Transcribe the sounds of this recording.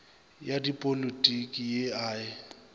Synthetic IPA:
jadipʼolitʼikʼijeaːɪ

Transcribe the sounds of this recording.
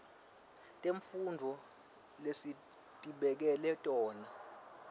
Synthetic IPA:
tʼeɱfundʱɔ | lesi | tʼiɓɛk̬ɛlɛtʼɔːna

